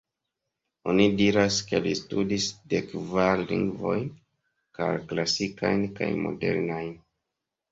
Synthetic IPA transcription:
o̞nidiɾaske̞listudisdekvaɾlḭŋɡvo̞jn | ka̰ɾklasikajnka̰jmo̞̰de̞̰ɾnajn

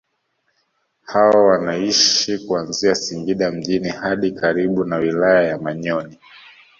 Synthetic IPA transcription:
hawawanaiʃikuanziasiŋɡiɗam̩ʄinihaɗikaɾiɓunawilajajamaɲɔni

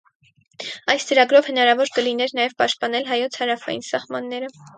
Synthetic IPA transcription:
ɑjst͡səɾɑɡɾɔvhənɑɾɑvɔɾkəlinɛɾnɑjɛvpɑʃt̪̚pɑnɛlɦɑjɔt͡sʰhɑɾɑfɑ̰jḭnsɑhmɑnːɛɾə

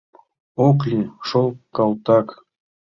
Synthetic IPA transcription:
oklʲiʂolˠkɑlt̪ɑk

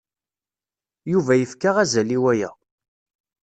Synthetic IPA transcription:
juvæjəfkaʁæzæliwæjæ̰

